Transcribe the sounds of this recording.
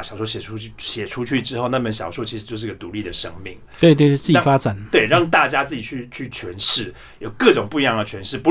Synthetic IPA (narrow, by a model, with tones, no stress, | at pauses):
ɕɑ˨˩ʊʂɔ˥˩ɕjɛ˨˩u˥˩ɕjɛ˨˩ʈ͡ʂʰu˥t͡ɕʰy˥˩ʈ͡ʂɻ̩˥xo˥˧ʊna˥˧˩mə˥˩nɕjɑ̰˨˩ʊʂwɔ˥t͡ɕʰi˧˥ʂ̩˧t͡ɕjo˥˧ʂ̬ɻ̩˧ɡə˨t̪u˧˥li˥˩d̪ə˩ʂɤ˦ŋmḭ˥˩ŋ | t̪we˥˩ɪt̪̬we˥˩t͡s̩˥˩t͡ɕa˥˨˩fa˦˥ʈ͡ʂa˨˩˦nt̪we˥˩ɪɻɑ˥˨˧ŋt̪a˥˩t͡ɕja˥t͡sɹ̩˥˩t͡ɕi˨˩t͡ɕʰy˥˩t͡ɕʰy˥˩t͡ɕʰɥɛ˧˦nʂɻ̩˥˩ | jo˨˩ʊkɤ˥˩ʈ͡ʂʊ˨˩ŋpu˥˨i˧˦jɑ˥˩ŋd̪ə˩t͡ɕʰɥɛ˧˦nʂɻ̩˥˩pu˧˥